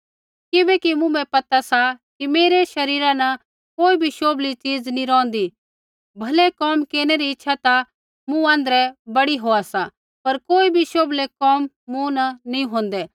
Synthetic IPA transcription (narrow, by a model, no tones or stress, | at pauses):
kɪbɛkimʊ̃mɛ̃pɐt̪asakimeːɾeʃɐɾiːɾãnɐ | koːibʱiʃoːblit͡siːd͡znĩɾɔ̃ːnd̪i | bʱɐlɛkɔːmkeːɾñɛɾiɪtːʃʰat̪a | mũãːnd̪əɾɛbɐɽiɦoːasa | pɐɾkoːibʱiʃoːblekɔːmːũnɐnĩɦõːn̆d̪ɛ